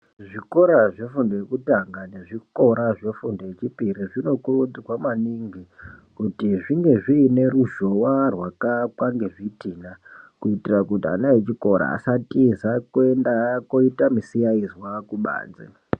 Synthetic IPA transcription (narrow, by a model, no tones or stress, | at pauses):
ʐiko̞ɾaʐe̞fundojekutaŋɡane̞ʐiko̞ɾaʐe̞fundo̞jet͡ʃipiɾiʐino̞kurud͡ziwamaniŋɡikutiʐiŋɡe̞ʐiːne̞ɾuʒo̞warwakakwaŋɡe̞ʐitiːnakuitirakutia̰najet͡ʃiko̞ɾa̰ːsatizakoendakoitamisijaizwakuɓa̰ːnd͡zḛ